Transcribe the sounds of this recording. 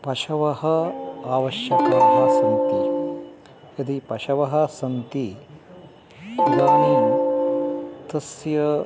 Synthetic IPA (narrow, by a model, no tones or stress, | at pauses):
pɐʃɐʋɐhɐaːʋɐʃjɐkɐɦasɐnt̪i | ɐd̪ipɐʃɐʋɐɦɐsɐnt̪i | ɡ̪ɐmi | t̪ɐsjɐ